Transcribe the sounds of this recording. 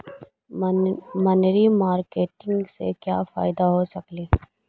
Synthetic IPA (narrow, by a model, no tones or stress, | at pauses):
mɐnɾimaːɾkeːʈɪ̃ŋɡsekja̰ːfa̰ːɪd̪aɦosɐkliː